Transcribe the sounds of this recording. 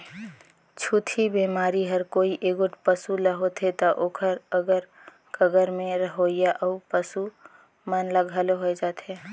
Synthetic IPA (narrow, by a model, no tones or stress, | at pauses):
t͡ʃʰut̪ʰibemaːɾiɦəɾkoːiʔeːɡoʈpəsuləɦot̪ʰet̪oʔoːkʰəɾəɡəɾ | kʰəɡəɾmẽɾəɦojaʔəupəsu | mənləɡʱəloɦoed͡ʒaːt̪e